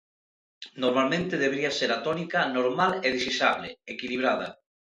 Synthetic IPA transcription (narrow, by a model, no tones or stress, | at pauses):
noɾmalmẽnt̪eðeβeɾiaseɾat̪onikanoɾmaleðisisaβleekiliβ̞ɾað̞ɐ̰